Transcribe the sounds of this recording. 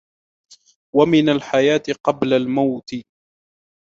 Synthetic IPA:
wamɪnalħajaːt̪ɪqɑblalmawt̪ɪ

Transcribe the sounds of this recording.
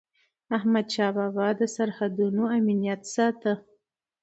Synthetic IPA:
ahmad̪ʃɑbabɑd̪əsaɾhad̪unoaminijat̪sɑt̪ə

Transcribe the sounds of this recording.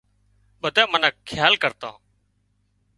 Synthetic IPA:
ɓəd̪aːmənəkkʰːjaːlkəɾt̪a̰ː

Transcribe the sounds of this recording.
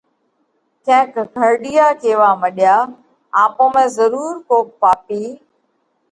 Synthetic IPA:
kʰɛ̃ːkɡʱəɾɗijaːkeːʋaːməɗjaː | aːpõːmẽːzəɾuːɾkoːpaːpiː

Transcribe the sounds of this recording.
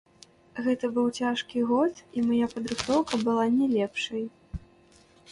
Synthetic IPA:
ɣɛt̪ɐbɨwt͡sʲaʂkʲiɣɔt̪imajapɐd̪ɾɨxt̪ɔwkɐbɨlˠanʲɛlʲɛpʂɐj

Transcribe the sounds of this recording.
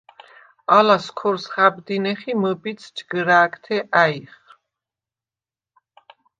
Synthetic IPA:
alaskʰɔɾsχabd̪inɛχiməbit̪sʰd͡ʒɡɾaːkʰt̪ʰɛʔaiχ

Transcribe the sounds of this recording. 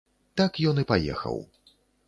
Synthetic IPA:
t̪akjɔnɨpajɛ̰xɐ̰w

